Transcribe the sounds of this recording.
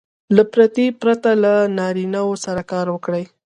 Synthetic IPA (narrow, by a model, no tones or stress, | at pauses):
lapɾat̪ipɾat̪alanɑɾinawosaɾakɑɾwəkɽəj